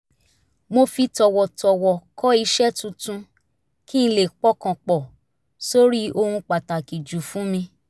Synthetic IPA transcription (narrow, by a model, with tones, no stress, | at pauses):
mo˧fi˧tɔ˨wɔ˨tɔ˨wɔ˨kɔ˦i˧ʃɛ˦tũ˧tũ˧ | kĩ˦˧le˦˨k͡pɔ˦kã˨k͡pɔ˨ | so˦ɾi˦o˧hũ˧k͡pa˨ta˨ki˨d͡ʒu˨fũ˨˦mĩ˧